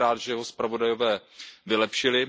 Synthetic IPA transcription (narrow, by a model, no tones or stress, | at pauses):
aːd̪ʒɛjɛɦospɾavo̞dajo̞vɛːvɪlɛpʃɪlɪ